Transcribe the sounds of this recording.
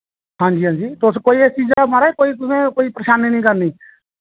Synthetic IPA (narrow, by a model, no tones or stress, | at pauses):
hãːd͡ʒiːɦãːɲd͡ʒiːt̪ʊskoːiːeːt͡ʃiːzamaɾaɛːkoːiːt̪ʊsẽːkoːiːpɾəʃaːniːnĩːkəɾniː